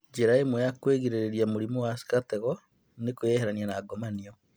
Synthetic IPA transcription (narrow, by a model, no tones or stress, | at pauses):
d͡ʒeɾaemujakweɣiɾeɾeɾiamoɾimowasi̥katɛɣɔ | nekojɛhɛɾanianaɡɔmaniɔ